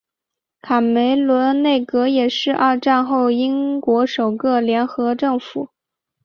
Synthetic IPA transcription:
k̪ʰa˨˩me˧˥ɪlwə˧˥nne˥˩ɪkɤ˧˥jɛ˨˩ʂɻ̩˥˧ʔa̰˥˧ʈ͡ʂa˥˧nxo˥˩ʊi˥ŋkwɔ˧˥ʂo˨˩ʊkɤ˥˩ljɛ˧˥nxɤ˧˥ʈ͡ʂɤ˥˩ŋfu˨˩˦

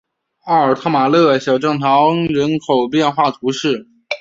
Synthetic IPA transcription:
ɑ˥˩ə˞˨˩t̪ʰɑ˥˩ma˨˩lɤ˥˩ɕjɑ˨˩ʊʈ͡ʂɤ˥˩ŋt̪ʰɑ˧˥ʊɻə˧˥nkʰo˨˩ʊpjɛ˥˧nxwa˥˩t̪ʰu˧˥ʂɻ̩˥˩

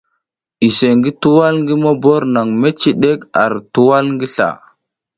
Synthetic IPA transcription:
i˨se˨ŋɡi˦tu˦wa˦lŋɡi˦mo˦bo˦ɾna˨ŋme˦t͡ʃi˦ɗe˦ka̰˨ɾtu˦wa˦lŋɡi˦ɬa̰˨

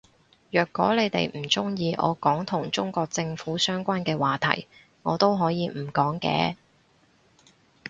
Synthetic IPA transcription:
jœː˨˩kːɔː˨˥le˨˧jt̪ḛ˨jm̩˨˩t͡sʊ˥ŋjiː˧ʔɔ̰ː˨˧kɔː˨˥ŋt̪ʰʊ˨˩ŋt͡sʊ˥ŋkʷɔː˧k̚t͡sɪ˧ŋfuː˨˥sœː˥ŋkʷaː˥nkɛː˧waː˨t̪ʰɐ̰˨˩j | ŋɔː˨˧t̪o˥wɦɔː˨˥jiː˨˧m̩˨˩kɔː˨˥ŋkɛ̰ː˧

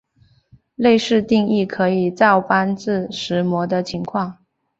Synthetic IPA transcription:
le˥˧ɪʂɻ̩˥˧t̪i˥˧ŋi˥˩kʰɤ˧˥i˨˩t͡sɑ˥˩ʊpa˥nt͡sɹ̩˥˩ʂɻ̩˧˥mwɔ˧˥d̪ə˧t͡ɕʰi˧˥ŋkʰwɑ˥˩ŋ

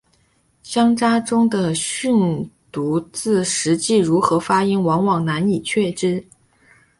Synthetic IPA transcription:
ɕjɑ˥ŋʈ͡ʂa˥ʈ͡ʂʊ˥ŋd̪ə˨ɕy˥˩nt̪u˧˥t͡sɹ̩˥˩ʂɻ̩˧˥t͡ɕi˥˩ɻu˧˥xɤ˧˥fa˥i˥ŋwɑ˧˥ŋwɑ˨˩ŋna˧˥ni˨˩t͡ɕʰɥɛ˥˩ʈ͡ʂɻ̩˥

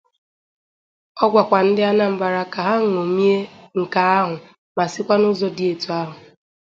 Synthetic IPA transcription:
ɔ˦ɡʷa˨kʷa˨n̩˦dɪ˦a˦na˦m̩˦ba˨ɾa˦ka˨ɦa˦ŋ̩˨o˨mi˦e˦ŋ̩˨ka˨a˦ɦʊ˨ | ma˨sɪ˦kʷa˦nʊ˦zɔ˦dɪ˨e˨tu˨a˦ɦʊ˨

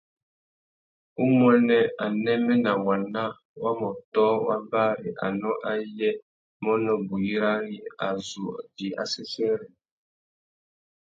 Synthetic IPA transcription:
u˦m˦ɛ˦nɛ˦a˨nɛ˦mɛ˦nã˨wa˨nã˦ | wa˦mɔ˨tɔ˦wa̰˦ba˦ɾi˨ʔa̰˨nɔ̃˦ʔa˦jɛ˦ | mɔ˦nɔ˦bu˨ji˦ɾa˦ɾi˨a̰˨zṵ˨d͡ʒi˨ʔa̰˨sɛ˦sɛ˦ɾɛ˨

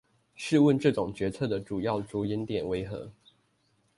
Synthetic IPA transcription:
ʂɻ̩˥˧wə˥˧nʈ͡ʂɤ˥˨ʈ͡ʂʊ˨˩ŋt͡ɕɥɛ˧˥t͡sʰɤ˥˩d̪ə˩ʈ͡ʂu˨˩jɑ˥˩ʊt͡sɔ˧˥i˧˥nt̪jɛ˨˩nwe˧˥ɪxɤ̰˧˦

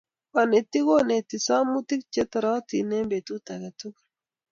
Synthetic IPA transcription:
wa˨ne˨t̪i˦ɡo˦ne˨t̪i˨sa˦mu˦t̪i˦k̚t͡ʃɛ˦t̪a˨ɾa˦t̪i˨ne˦mbe˨t̪u˦t̪a˨ɡɛ˨t̪u˦k

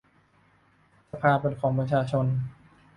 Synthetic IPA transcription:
sa˧pʰaː˧pe˧˩nkʰɔː˩˦ŋpɾa˧t͡ɕʰaː˧t͡ɕʰo˧n

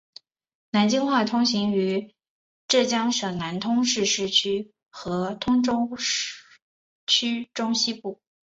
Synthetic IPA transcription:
na˧˥nt͡ɕi˥ŋxwa˥˩t̪ʰʊ˥ŋɕi˧˥ŋy˧˥ | ʈ͡ʂɤ˥˩t͡ɕjɑ˥ŋʂɑ˨˩ŋna˧˥nt̪ʰʊ˥ŋʂɻ̩˥˧ʂɻ̩˥˩t͡ɕʰy˥ | xɤ˧˥t̪ʰʊ˥ŋʈ͡ʂʊ˥ | t͡ɕʰy˥ʈ͡ʂʊ˥ŋɕi˥pu˥˩

